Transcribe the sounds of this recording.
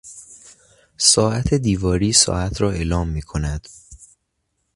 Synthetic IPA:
sɒːæt̪ʰe̞d̪iːvɒːɾiːsɒ̰ːæt̪ʰɾɒːe̞ːlɒːmːiːkʰo̞næd̪̥

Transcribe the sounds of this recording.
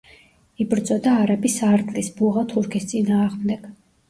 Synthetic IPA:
ibɾd̪zʼɔd̪aːɾabisaɾt̪ʼlisbuʁat̪ʰuɾkʰist̪sʼinaːʁmd̪ɛɡ̥

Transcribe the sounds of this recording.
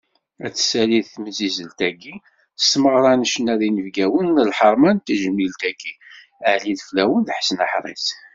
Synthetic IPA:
æt͡sːsæliθθməzizəlt̪æɡi̥ | sməʁɾˤɑnəʃənæðinəvɡæwənəlħəɾˤmænt̪əʒəmilt̪ækʰːi | əʕliðflæwənðħsənəħɾˤḛs

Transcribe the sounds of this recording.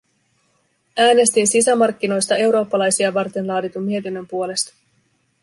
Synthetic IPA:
æːne̞st̪insisæmɑrk̟ːino̞jst̪ɑe̞wɾo̞ːpːɑlɑjsiɑʋɑrt̪e̞nlɑːdit̪ummie̞t̪inːø̞mpuo̞le̞st̪ɑ̥

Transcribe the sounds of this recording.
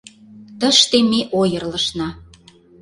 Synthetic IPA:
t̪ə̆ʃt̪emeʔojə̆rlə̆ʃnɑ

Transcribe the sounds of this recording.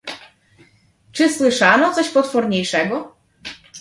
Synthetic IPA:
t͡ʂɘswɘʂanɔt̪sɔɕpɔt̪fɔɾɲejʂɛɡɔ

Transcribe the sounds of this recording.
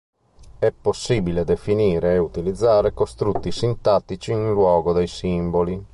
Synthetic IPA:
ɛpːosːiːbiled̪efiniːɾeːut̪ilid̪zːaːɾekost̪ɾut̪ːisint̪at̪it͡ʃiːnlwɔːɡod̪ejsimboli

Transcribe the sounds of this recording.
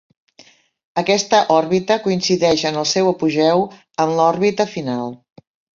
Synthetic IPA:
əkɛst̪əʔɔɾβit̪əkuinsiðɛʃənəlˠsɛwəpuʒɛw | əmlɔɾβit̪əfinalˠ

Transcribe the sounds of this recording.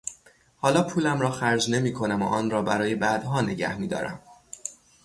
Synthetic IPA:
hɒːlɒːpʰuːlæmɾɒːxæɾd͡ʒne̞miːkʰo̞næmo̰ʔɒːnrɒːbæɾɒːje̞bæd̪̥ɦɒːne̞ɟæ̰hmiːd̪ɒ̰ːɾæ̰m

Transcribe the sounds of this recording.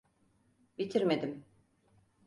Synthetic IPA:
bit̪ʰiɾmed̪im

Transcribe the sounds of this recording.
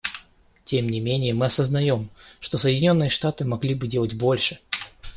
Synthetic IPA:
tʲemnʲɪmʲenʲɪjəmɨɐsəznɐjo̞mʂt̪o̞səjɪdʲɪnʲo̞nːɨjəʂt̪at̪ɨmɐɡlʲibɨdʲe̞lˠətʲbo̞lʲʂɨ

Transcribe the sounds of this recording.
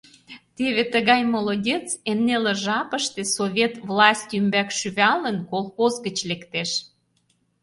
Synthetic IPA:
t̪eβet̪əɣɑjmolodʲet͡semnelə̆ʒɑpəʃt̪ĕsoβʲet̪vlˠɑsʲt̪ʲymbækʃyβɑlənkolxozɣət͡ɕlekt̪eʃ

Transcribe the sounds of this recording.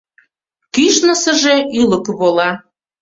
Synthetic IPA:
kyʃnəsəʒeʔyləkβolɑ

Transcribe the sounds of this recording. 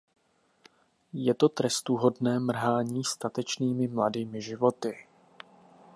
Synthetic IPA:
jɛt̪o̞t̪ɾɛst̪uɦo̞dnɛːmr̩ɦaːɲiːst̪at̪ɛt͡ʃniːmɪmladiːmɪʒɪvo̞t̪ɪ

